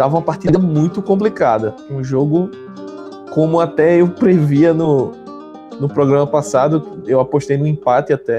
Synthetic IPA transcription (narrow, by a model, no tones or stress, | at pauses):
d̪avɐũmɐpaht̪id̪ɐmũj̃t̪ʊkõp̬likad̪ɐ | ũʒoɡʊ | kõmʊat̪ɛewpɾeviɐnʊ | nʊpɾɔɡɾɐ̃mɐpasad̪ʊewapoʃt̪ejnʊ̃ĩpat̪ɪat̪ɛ